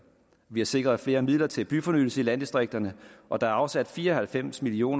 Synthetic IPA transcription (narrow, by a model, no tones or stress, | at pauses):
ʋihɑ̈se̝ɡ̥ʁɐð̞̩ˠfle̝ːɐmið̰ˠlɐt͡sʰe̝lb̥yfɒ̽nyd̥l̩səilæn̰d̥isd̥ʁeɡ̥̚d̥ɐnəʔɒ̽d̥ɑ̈æɐɑ̈ʊsæd̥fiːɐɒ̽hælfem̰smilio̝̰ːn